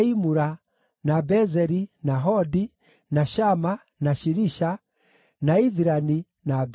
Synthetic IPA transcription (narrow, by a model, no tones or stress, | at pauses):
imuɾa | nabɛzɛɾinaɦɔdi | naʃama | naʃiɾiʃa | naiðiɾani | nab